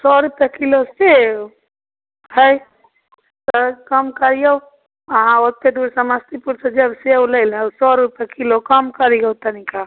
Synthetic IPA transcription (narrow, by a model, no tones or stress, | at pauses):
sɔɾupjakilose | həj | t̪əkəmkəɾijəw | əɦãot̪eɖuɾsə̃məst̪ipuɾsə̃d͡ʒəbsewləɪlwsɔɾupjakilokəmkəɾiɡəwt̪ənika